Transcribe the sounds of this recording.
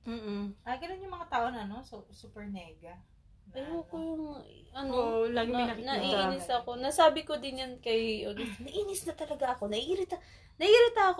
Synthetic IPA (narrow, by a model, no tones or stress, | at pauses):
m̩ːʔ̩ʔɐɡɐnonjʊŋmɐŋat̪aːʔonɐɐno̞susupɛɹnɛɡɐ | ɐjoːkojʊŋʔɐnoɐɡnɐʔiiːnɪsɐko̞nɐsaːbɪko̞d̪ɪnjankɐjod̪nɐʔiːnɪsnɐt̪ɐlɐɡaʔɐko̞nɐʔiːɾɪt̪ɐ | nɐʔiːɾɪt̪ɐɐk